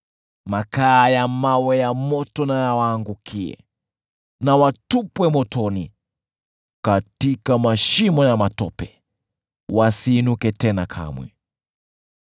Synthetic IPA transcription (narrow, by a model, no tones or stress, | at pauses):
makaːjamawɛjamɔtɔnajawaːŋɡukʰiɛ̰ | nawatupwɛmɔtɔni | katikamaʃimɔjamatɔpɛ | wasiːnukɛtɛnakʰa̰mwɛ